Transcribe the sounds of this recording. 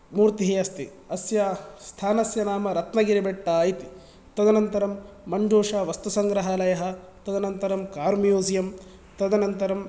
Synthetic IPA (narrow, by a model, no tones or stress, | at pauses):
muːɾt̪iɦiɐst̪ḭ | ɐsjɐst̪ʰaːnɐsjɐnaːmɐɾɐt̪nɐɡiɾibeʈːaːit̪i̥ | t̪ɐd̪ɐnɐnt̪ɐɾɐmːɐɳd͡ʒoːʂɐːʋɐst̪usɐŋɡɾɐɦɐlɐjɐɦɐ̆ | t̪ɐd̪ɐnɐnt̪ɐɾɐmkaːɾmijoːzijɐm | t̪ɐd̪ɐnɐnt̪ɐɾɐm